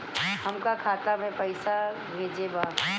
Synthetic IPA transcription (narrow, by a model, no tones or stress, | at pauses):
hɐmkakʰaːt̪abʱɛpɐɪsa | bʱeːd͡ʒebaː